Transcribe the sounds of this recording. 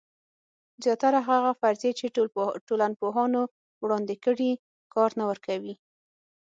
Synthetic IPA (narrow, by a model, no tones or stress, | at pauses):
zjɑt̪aɾaɦaɣafaɾzet͡ʃeʈolan̚poɦɑno | wɽɑnd̪ɪkəɽi | kɑɾnawəɾkawi